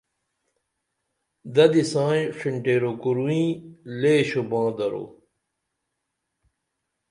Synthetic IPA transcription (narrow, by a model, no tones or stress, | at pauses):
d̪ɐd̪isãːj̃ʂiɳʈeːɾokuɾuĩːleːɕobãːd̪ɐɾo̰ː